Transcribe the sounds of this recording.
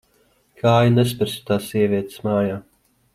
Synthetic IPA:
kʰaːjunes̬pɛɾsʲi̥t̪aːsːiɛvʲiɛt̪smaːjaː

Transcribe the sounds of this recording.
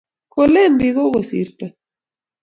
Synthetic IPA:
kolenbiɣoɣosḭɾt̪ɐ

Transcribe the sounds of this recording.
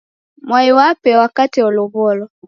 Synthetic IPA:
mwaiwapɛwakatiɔlɔβɔlɔ

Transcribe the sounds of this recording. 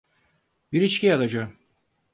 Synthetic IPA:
biɾit͡ʃcʲʰiad̪ad͡ʒa

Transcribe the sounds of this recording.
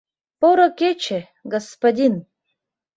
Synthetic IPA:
poɾɐkʲet͡ʃʰe | ɡɐspad̪ʲin

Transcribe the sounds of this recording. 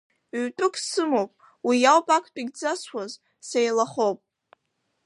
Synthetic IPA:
ɥtʼʊkʰʼsɨmowpʼ | wijawpʼakʰʷʼtʼiɡʲd͡zaswʷaz | sejlaχowpʼ

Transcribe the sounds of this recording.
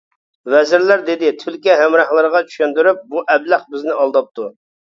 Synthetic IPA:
vɛzɪɾlæɾd̪ɪd̪ɪt̪ʰylkʲɛɦæmɾɑχlˠəɾəʁɑt͡ʃʰy̥ʃynd̪yɾyp̚buʔɛblæχbɪznɪɑlˠd̪ɑp̚t̪ʰu

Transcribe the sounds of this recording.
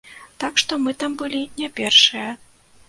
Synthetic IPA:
t̪akʂt̪ɔmɨt̪ambɨlʲinʲapʲɛrʂɨjɐ

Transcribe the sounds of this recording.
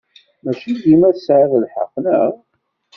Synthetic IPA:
mæʃid̪imæsʕəðəlħə̰qːnə̰ʁ

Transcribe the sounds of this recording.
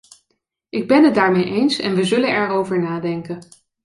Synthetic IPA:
ʔɪɡ̚bɛnɦəd̚daːɹmejʔejnsɛ̰nʋəzɵlənɛɹowvəɹnaːdɛŋkən

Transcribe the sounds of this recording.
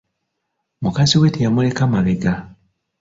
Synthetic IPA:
mukaziwetijamulekamaleɡa

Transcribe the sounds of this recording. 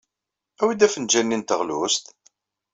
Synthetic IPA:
æwid̪æfənd͡ʒænːint̪əʁlust̪

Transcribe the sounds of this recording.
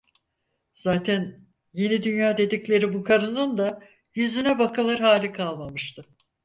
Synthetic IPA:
z̥aːt̪ʰæn | je̞nid̪ynjaːd̪e̞d̪iclʲe̞ɾibukʰaɾɯnɯnd̪a | jyzynɛbakʰalˠaɾɦaːlʲikʰalˠmamɯʃt̪ʰɯ

